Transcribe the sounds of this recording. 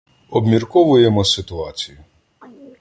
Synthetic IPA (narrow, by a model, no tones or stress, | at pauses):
ɔbmʲirkɔʋʊjemɔsɪt̪ʊɑt͡sʲijʊ